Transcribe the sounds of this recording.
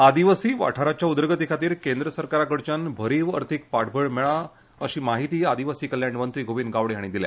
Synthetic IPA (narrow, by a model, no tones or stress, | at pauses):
ad̪iʋasiːʋa̰ʈʰaɾat͡ɕjaud̪ɾəɡət̪ikʰat̪iːɾkend̪ɾəsəɾkaɾakəɽt͡ɕanbʱəɾiːʋə̰ɾt̪ʰik̚paʈʰbʱəɭmɛɭa | əɕiːmaɦit̪iːad̪iʋasiːkəljaɳɖmənt̪ɾiːɡʱoʋiːnɡaʋɽiɦaɽ̃id̪ilja̰